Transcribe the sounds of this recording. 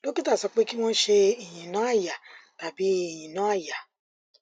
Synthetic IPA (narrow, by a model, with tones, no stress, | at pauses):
lo˦ki˦ta˦˨sɔ˧k͡pe˦ki˦m̃ɔ̃˦ʃe˧i˨j̃ĩ˨nã˨˦a˦˨ja˨ta˨bi˨˦i˦˨j̃ĩ˨nã˨˦a˦˨ja˨